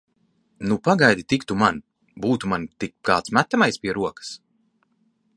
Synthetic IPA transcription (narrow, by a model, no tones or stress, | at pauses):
nupaɡajd̪it̪ikt̪uman | buːt̪umant̪ikkaːt̪smæt̪ːamajspiɛɾuɔkḁs